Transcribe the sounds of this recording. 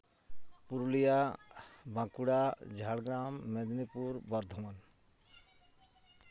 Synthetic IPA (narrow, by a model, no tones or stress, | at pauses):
puɾulija | bãkuɽad͡ʒʱaɽɡɾamːed̪nipuɾbɔɾd̪ʱɔman